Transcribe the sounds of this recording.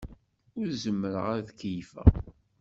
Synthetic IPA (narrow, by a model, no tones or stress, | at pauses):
ʊɾzəmːəɾə̰ʁaɾðkjfæ̰